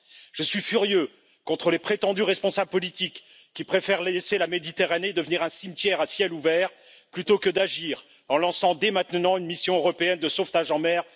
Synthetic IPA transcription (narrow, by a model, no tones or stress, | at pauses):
ʒ̥əsɥifyʁjø | kɔ̃t̪χəlepχet̪ɑ̃d̪yʁɛspɔ̃sabləpɔlit̪ikː | ipχefɛʁleselamed̪it̪eʁaned̪əvəniʁɛ̃simt̪jɛʁasjɛluvɛːʁ | plyt̪okəd̪aʒiːʁ | ɑ̃lɑ̃sɑ̃d̪emɛ̃t̪nɑ̃ynmisjɔ̃øʁɔpeɛnd̪əsoft̪aʒɑ̃mɛʁ